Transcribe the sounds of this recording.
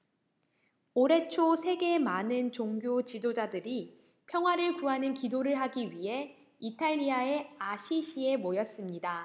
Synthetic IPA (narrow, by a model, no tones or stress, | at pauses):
oɾe̞t͡ɕʰosʰe̞ɡe̞manɯnt͡ɕoŋɡjot͡ɕidod͡ʑadɯɾi | pʰjʌŋɦwaɾɯɭkuɦanɯnkidoɾɯɭɦaɡiɥiɦe̞ | itʰaʎːiae̞aɕʰiɕʰie̞mojʌs͈ɯmɲida